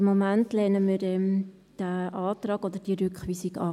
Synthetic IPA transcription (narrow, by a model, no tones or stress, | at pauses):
mːomæntlɛnəmiɾɛm | d̥æʔɑːt̪ɾɑːɡod̪əd̥iɾʏkχʋiːsiɡɑ̰